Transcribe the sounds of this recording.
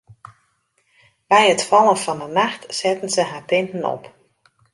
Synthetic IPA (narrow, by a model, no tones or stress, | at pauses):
bɛjətfɑlˠənfɑnənaxtsɛtən̩zəɦaːtɪntən̩ɔ̰p